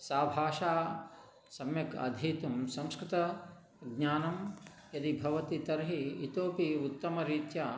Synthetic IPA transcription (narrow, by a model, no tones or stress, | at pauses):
saːbʱaːʃaː | sɐmjɐkɐ̰d̪ʱiːt̪umsɐ̃mskɾɪt̪ɐ | ɡɲaːnɐm | jɐd̪ibʱɐʋɐt̪it̪ɐɾɦiːt̪oːpiut̪ːɐmɐɾiːt̪jaː